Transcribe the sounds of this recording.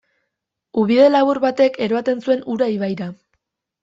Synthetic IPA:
uβiðe̞laβuɾβat̪e̞ke̞ɾo̞at̪e̞nsue̞nuɾaiβajɾa

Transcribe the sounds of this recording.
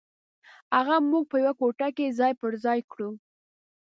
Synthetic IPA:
aɣamːuɡ̚pəjawakoʈakezɑjpəɾzɑjkɽu

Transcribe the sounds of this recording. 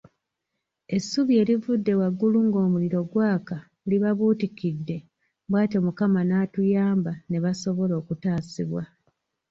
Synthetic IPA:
e̞sːuβie̞ːlivudːe̞waɡːuluŋɡo̞ːmuliɾo̞ɡwaːka | uliβaβuːtikidːe̞ | bwaːte̞mukamanaːtujaːmbane̞βaso̞βo̞lo̞ːkutaːsiβwa

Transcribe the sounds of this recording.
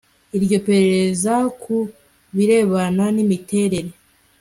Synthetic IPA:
iɾɟo̞pe̞ɾe̞ɾe̞zaku | βiɾe̞ːβananimite̞ɾe̞ɾe̞

